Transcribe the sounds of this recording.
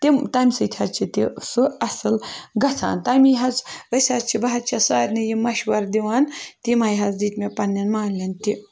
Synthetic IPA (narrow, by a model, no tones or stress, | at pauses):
t̪imt̪aːmʲsɨt̪ʲʰat͡ʃʰit̪isɨɐsɨlɡɐt͡sʰa̰ːnt̪amʲiɦɐt͡səsʲat͡ʃʰibɐɦɐt͡ʃʰɐsaːɾʲnɨjimɐʃʋɐɾd̪iʋaːnt̪imajɦɐzd̪iːt̪mʲepɐnːɐnmaːlʲɐnt̪i